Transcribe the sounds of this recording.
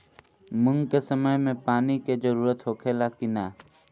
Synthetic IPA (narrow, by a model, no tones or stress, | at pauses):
mʊ̃ŋɡkesəməjmẽpaːniked͡ʒəɾuːɾət̪ɦoːkʰeːlakina